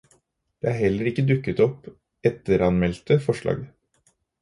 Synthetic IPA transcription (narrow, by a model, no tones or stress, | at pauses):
d̪̥eːæːɾhɛlːəɾɪkːəd̪ʉkːət̪ɔp | ɛt̪əɾɑnmɛlt̪əfɔʂɭɑ̰ːɡ